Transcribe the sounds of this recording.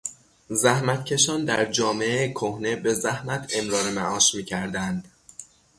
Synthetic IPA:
zæhmæt̪̚cʰe̞ʃɒːnd̪æɾd͡ʒɒːme̞ekʰohne̞be̞zæhmæt̪ʰe̞mɾɒːɾemæʔɒːʃmiːcʰæɾd̪ænd̪̥

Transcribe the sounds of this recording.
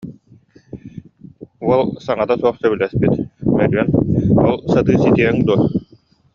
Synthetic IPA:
uɔlˠsaŋat̪asuɔχsœbilɛspit̪mɛɾyɛnɔlˠsat̪ɯːsit̪iɛŋd̪uɔ

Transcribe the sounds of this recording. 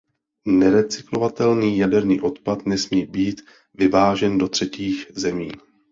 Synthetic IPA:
nɛɾɛt͡sɪklo̞vat̪ɛlniːjadɛɾniːʔo̞t̪pat̪nɛsmiːbiːt̪ | vɪvaːʒɛndo̞t̪r̥ɛciːxzɛmiː

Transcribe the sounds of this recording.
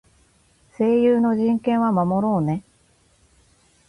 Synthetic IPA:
se̞ːjɯːno̞ʑĩŋkẽ̞ɰ̃βamamo̞ɾo̞ːne̞

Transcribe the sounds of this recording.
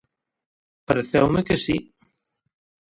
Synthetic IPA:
paɾeθewmekesi

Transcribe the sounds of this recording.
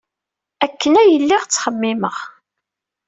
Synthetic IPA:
ækːənæjəlːiʁt͡sːχəmːɪməʁ

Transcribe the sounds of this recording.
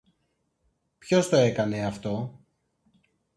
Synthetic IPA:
pço̞st̪oe̞kɐne̞ɐft̪o̞

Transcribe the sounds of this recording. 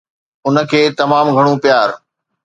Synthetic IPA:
ʊnə̆kʰeːt̪ɐmaːmɡʱɐɽ̃ũpjaːɾ

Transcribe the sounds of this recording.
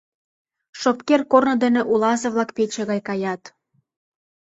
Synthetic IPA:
ʃopkerkornɤ̆d̪ĕnĕʔulɑzɤ̆βlˠɑkpet͡ɕĕɣɑjkɑjɑt̪

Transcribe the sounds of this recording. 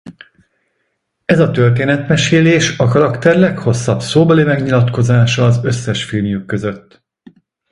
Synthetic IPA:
ɛzɒt̪ø̞rt̪̬eːnɛt̪mɛʃeːleːʃɒkɒɾɒkt̪ɛrlɛkho̞sːɒbsoːbɒlimɛɡɲilɒt̪ko̞zaːʃɒːzø̞sːɛʃfinjukːø̞zø̞t̪ː

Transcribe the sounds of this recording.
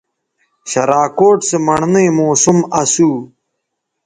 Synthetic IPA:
ɕɐɾaːkoːʈsemɐɳnejmoːsumɐsuː

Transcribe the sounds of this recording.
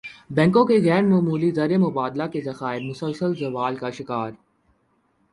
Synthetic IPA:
bɛ̃ːŋkõkeɣɛːɾmoːmuːlizɐɾemʊbaːd̪lakezɐxaːɪɾmʊsəlsəlzɐʋaːlkaʃɪkaːɾ

